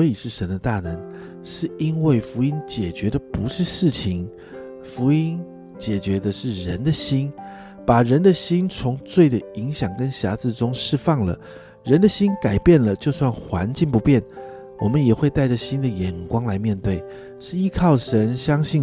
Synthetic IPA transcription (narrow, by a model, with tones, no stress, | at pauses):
wɔ˧˥i˨˩ʂɻ̩˥˩ʂə˧˥nd̪ə˧t̪a˥˩nə˧˦˥ŋ | ʂɻ̩˥˩i˦˥nwe˥˩ɪfu˧˥i˥nt͡ɕjɛ˨˩t͡ɕɥɛ˧˥d̪ə˨pu˧˥ʂɻ̩˥˧ʂɻ̩˥˩t͡ɕʰi˧˥ŋ | fu˧˥i˥n | t͡ɕjɛ˨˩t͡ɕɥɛ˧˥d̪ə˧ʂɻ̩˥˩ɻə˧˥nd̪ə˨ɕi˥n | pa˨˩ɻə˧˥nd̪ə˧ɕi˥nt͡sʰʊ˧˥ŋt͡swe˥˩ɪd̪ə˩i˧˥ŋɕjɑ˨˩ŋkə˦nɕja˧˥t͡sɹ̩˥˩ʈ͡ʂʊ˥ŋʂɻ̩˥˧fɑ˥˩ŋlə̰˩ | ɻə˧˥nd̪ə˨ɕi˥nka˨˩ɪpjɛ˥˩nlə˩t͡ɕjo˥˧ʊswa˥˩nxwa˧˥nt͡ɕi˥˩npu˧˥pjɛ˥˩n | wɔ˨˩mə˦njɛ˨˩xwe˥˧ɪt̪a˥˩ɪʈ͡ʂə˨˩ɕi˦˥nd̪ə˨jɛ˨˩nkwɑ˥ŋla˧˥ɪmjɛ˥˧nt̪we˥˩ɪ | ʂɻ̩˥˩i˧˥kʰɑ˥˩ʊʂə˧˦˥nɕjɑ˥ŋɕi˥˩